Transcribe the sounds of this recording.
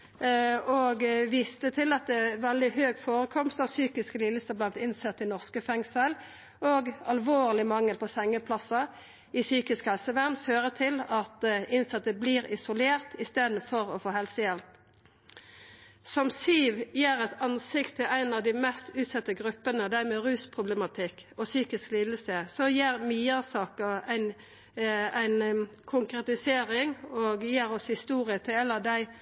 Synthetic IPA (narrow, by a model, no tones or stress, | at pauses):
ɔɡʋiːst̪ət̪ʰɪlɑt̪̚d̪ɛʋɛld̪ɪhøːɡfoːʁəkʰɔmst̪ɑsyːkɪskəlɪlːəst̪əblɑnt̪ɪnsɛt̪ːɪnɔʁskəfɛŋsəl | oːɡɑlʋoːʁlɪmɑŋːəlpʰɔsɛŋːəpʰlɑsɑ | ɪsyːkɪskhɛlsəʋæʁnføːʁət̪ʰɪlɑt̪ɪnsɛt̪ːəbliːʁɪsʊleːʁt̪ɪst̪eːd̪n̩fɔʁɔfoːhɛlsəjɛlp | sɔmsyːʋjeːɾɛt̪ɑnsɪkt̪ʰːɪlæɪnɑʋd̪ɪmɛst̪ʉːt̪sɛt̪ːəɡɾʉpːənəd̪æɾmeɾʉːspʰʁʊblɛmɑt̪ʰɪkɔsyːkɪskliːd̪əl̩səsɔjeːɾmiːəsɑːkəæɪn | æɪn | kʰʊŋkɾɛt̪ɪseːɾɪŋoːɡjeːɾɔshɪst̪uːʁɪət̪ʰɪlɛlːəd̪æɪ